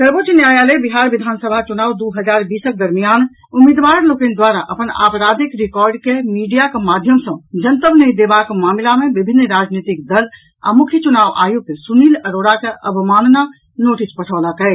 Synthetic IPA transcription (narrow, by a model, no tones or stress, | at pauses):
səɾbot͡ʃnjajaləbiɦaɾbid̪ʱansəbʱat͡ʃunaːud̪uɦəd͡ʒaɾbisək̚d̪əɾmijan | umid̪ʋaɾlokẽnd̪waɾaʔəpəna̰pɾad̪ikɾikɔɾɖkemiɖijakemad̪ʱjəmsə̃d͡ʒənt̪əmnəĩd̪ebakmamilamebibʱinːɾad͡ʒnit̪ik̚d̪əl | a̰mukʰjət͡ʃunaʋʔa̰juɡ̚kesuniləɾoɽakeʔəbʱimanna | noʈispəʈʰəʊlakəɪt̪